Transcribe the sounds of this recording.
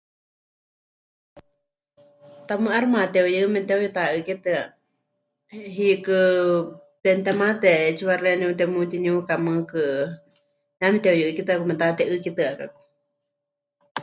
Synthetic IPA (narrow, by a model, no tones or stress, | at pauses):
t̪amɨʔaɾmãt̪eojɨmɛt̪eojut̪aɨkɛt̪ɨa | ɦikɨ | t̪ɛnt̪emãt̪ɛt͡ʃiβarenĩut̪ɛmũt̪iniukamɨ̃kɨ | ɲamit̪eojɨʔɨkit̪ɨakumɛt̪at̪ɛʔɨkit̪ɨakaku̥